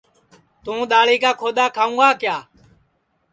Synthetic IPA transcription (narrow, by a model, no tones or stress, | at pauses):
t̪ũːɗ̪aːɭiːkaːkʰoːd̪aːkʰaːũːɡaːkjaː